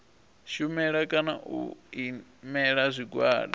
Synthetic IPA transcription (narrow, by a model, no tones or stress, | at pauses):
ʃumɛɺakʼanaʔṵimɛɺazʷiɡwaːla